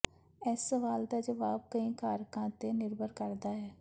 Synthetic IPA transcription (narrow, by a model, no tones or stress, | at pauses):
ɛːsːəʋaːld̪aːd͡ʒəʋaːb̚kəĩːkaːɾkãːt̪eːnɪɾbʱəɾkəɾd̪aːɦɛː